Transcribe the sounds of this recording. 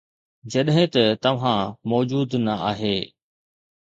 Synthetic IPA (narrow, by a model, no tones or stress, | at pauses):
d͡ʑɐɗɦɪ̃t̪ɐt̪ɐʋ̤ãmɔːd͡ʑuːd̪nɐaːɦeː